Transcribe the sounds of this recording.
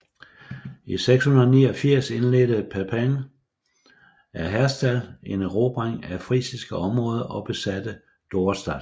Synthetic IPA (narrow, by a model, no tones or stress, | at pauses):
iseɡ̥shunɐðˠniːɒ̽fiɐ̰se̝nled̥əpʰæpʰæŋ | æɐɦæɐsd̥æle̝nʁob̥ʁɑŋ̰æfʁḭːsisɡ̥əɒ̽mʁɔ̽ːð̞ˠɐʔɒ̽b̥e̝sæd̥ə | d̥o̝ːsd̥æ̥